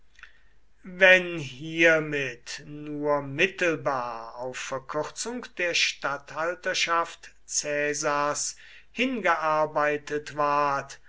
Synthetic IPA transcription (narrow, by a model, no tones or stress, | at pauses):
vɛnɦiːɐmɪtnuːɐmɪtl̩baːɐaʊfːɛɐkʰʏʁt͡sʊŋkd̥eːɐʃtathaltɐʃaft | t͡sɛːzas | hɪnɡəʔaɐbaɪtətv̥aɐt